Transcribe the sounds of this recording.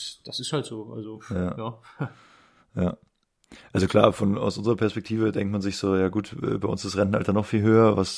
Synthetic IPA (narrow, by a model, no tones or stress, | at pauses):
sd̥asɪsthaltz̥oːʔa̰lzojaːjaː | jaː | ʔalzokʰl̥a̰ːfɔna̰ʊsʔʊnzəʁɐpʰɛɐspɛk̚tʰiːvədɛŋktmanzɪçz̥oːjaːɡuːtɛ̰ːbaɪʔʊ̰nsɪstʁɛnn̩ʔa̰ltɐnɔχfiːlɦøːɐvas